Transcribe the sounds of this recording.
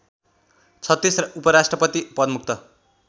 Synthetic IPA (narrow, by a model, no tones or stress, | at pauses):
t͡sʰʌt̪ːisrʌʔupʌɾasʈrʌpʌt̪ipʌd̪muk̚t̪ʌ